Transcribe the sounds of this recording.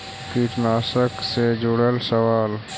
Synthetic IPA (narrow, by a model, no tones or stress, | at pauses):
kiʈnaːsəksed͡ʒʊɽəlsəʋaːl